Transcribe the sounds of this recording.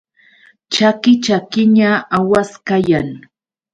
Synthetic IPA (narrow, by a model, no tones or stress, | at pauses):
t͡ʃakɪt͡ʃakɪɲaawaskajaŋ